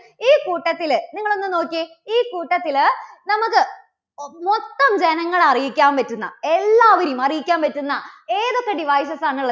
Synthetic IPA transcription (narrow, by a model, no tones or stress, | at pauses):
iːkuːʈːɐt̪ːilniŋːɐɭo̞nːɨno̞ːkːi | iːkuːʈːɐt̪ːilnɐmukːɨ | mot̪ːɐmd͡ʑe̞nɐŋːɐɭɐrijikʲːaːmpɐtːunːɐ̰e̞lːaːʋɐɾijumɐrijikʲːaːmpɐtːunːɐeːðokːɐɖiʋɐːjs̬ɐsaːɳuɭːɐ